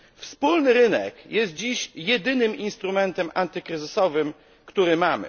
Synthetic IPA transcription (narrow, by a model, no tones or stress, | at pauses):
fspulnɘɾɘnɛ̰kjɛst̪̚d͡ʑiɕjɛd̪ɘnɘminst̪ɾumɛnt̪ɛmʔant̪ɘkɾɘzɘsɔvɘm | kt̪uɾɘmamɘ̰